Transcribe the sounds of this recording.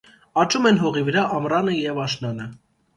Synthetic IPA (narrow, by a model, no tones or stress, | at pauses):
ɑt͡ʃumɛnɦɔʁivəɾɑʔɑmrɑnəjɛvɑʃnɑnə